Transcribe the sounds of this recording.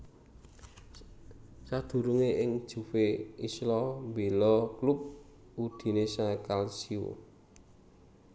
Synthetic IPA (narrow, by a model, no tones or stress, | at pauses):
sad̪̥ṳɾuŋeɪŋd̥ʒ̥ṳfeislɔmbelɔklup̚ | ud̪̥i̤nesakalsio̰